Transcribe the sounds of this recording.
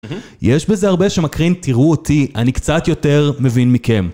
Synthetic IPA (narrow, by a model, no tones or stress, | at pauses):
jeʃbe̞zeaʁbe̞ʃemakʁintiʁuotianikt͡sat̪jo̞te̞ʁme̞vinmike̞m